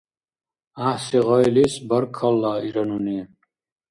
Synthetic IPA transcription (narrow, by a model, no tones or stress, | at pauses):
ahsiʁɔjlisbaɾkʰalːaːiɾanuni